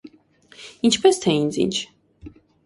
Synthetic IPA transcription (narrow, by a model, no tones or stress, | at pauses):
int͡ʃʰpʰɛst̪ʰɛĩnzḭnt͡ʃʰ